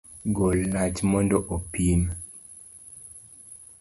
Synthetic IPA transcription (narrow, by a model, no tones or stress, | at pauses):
ɡolːat͡ʃmɔndɔʔopin